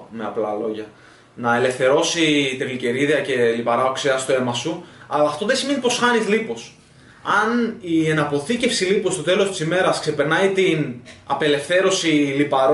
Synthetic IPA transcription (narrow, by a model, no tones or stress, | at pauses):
me̞ɐ̰plɐ̰lo̞ʝɐ | nɐe̞le̞fθe̞ɾo̞sit̪eɣlice̞ɾiðiɐce̞lipɐɾɐokseɐst̪ue̞mɐsuɐlɐːft̪o̞ðesime̞nipo̞sxɐnizlipo̞s | ɐnie̞nɐpo̞θice̞fsilipo̞st̪o̞t̪e̞lost̪i̥sime̞ɾɐsksepe̞ɾnɐit̪inɐ̰pe̞le̞fθe̞ɾo̞silipɐɾ